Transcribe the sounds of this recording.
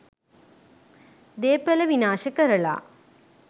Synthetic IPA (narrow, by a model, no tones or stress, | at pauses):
d̪eːpːɐlɐʋinaːʃɐkɐɾɐɭa̰ː